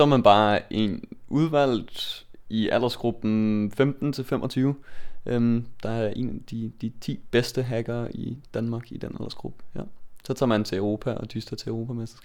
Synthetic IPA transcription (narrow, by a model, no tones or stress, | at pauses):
sɒmænb̥ɑ̈ːʔe̝nuð̞ˠʋæl̰̥ | ʔiʔæl̰ɐsɡ̥ʁub̥n̩femd̥n̩t͡sʰe̝lfemʔɒt͡sʰyːʊəʔømd̥ɑ̈æɐʔe̝̰næd̥id̥it͡sʰḭːb̥esd̥əɦæɡ̥ɐːid̥ænmɑ̈ːɡ̥id̥enæl̰ɐsɡ̥ʁub̥əjæsɒ̽t͡sʰɑ̰ːmænt͡sʰe̝œʊʁo̝ːpʰæʔɒ̽d̥ʰysd̥ɐt͡sʰe̝ʊʁo̝ːpʰæmesd̥i̥sɡ̥